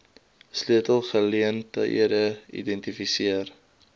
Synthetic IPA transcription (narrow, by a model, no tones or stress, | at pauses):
slyətəlˠχəliəntə̰ʔḭədəḭdɛntifisiər